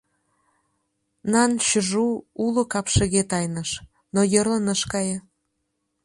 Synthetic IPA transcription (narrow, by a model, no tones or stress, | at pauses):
nɑnɕəʒuulŏkɑpʃə̆ɣet̪ɑjnəʃ | nojə̆rlənəʃkɑjə